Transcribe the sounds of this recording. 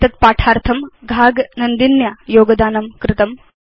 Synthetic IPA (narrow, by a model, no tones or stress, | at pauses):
t̪ɐt̪̚paːʈʰaːɾt̪ʰɐmɡʱaːɡnɐnd̪injajoːɡɐd̪aːnɐmkɾɪt̪ɐm